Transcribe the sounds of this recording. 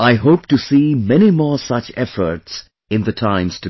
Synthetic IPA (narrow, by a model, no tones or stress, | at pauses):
aɪɦoʊptɨsiːmɛnimɔːsʌt͡ʃɛfə˞ts | ɪ̃nðɨtʰãɪ̃mz̥tɨ